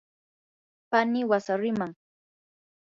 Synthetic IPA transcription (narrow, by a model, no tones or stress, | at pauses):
panɪwasaɾɪmaŋ